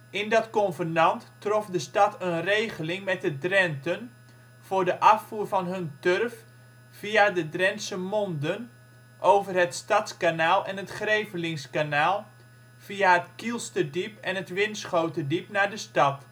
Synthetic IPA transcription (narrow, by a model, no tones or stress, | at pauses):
ɪndɔtkɔnvənɑnttrɔfdəstɑtənrejχəlɪŋmɛt̚dədrɛntən | v̥ʊːrdəʔɑfːuːrvɑnɦɵntørf | viadədrɛnsəmɔndən | ʔowvərɦətstɑtskanaːlˠɛnɦətχrejvəlɪŋskanaːlˠ | v̥iaɦətkilˠstədipɛnətʋɪnsχowtədipnaːɹdəstɑt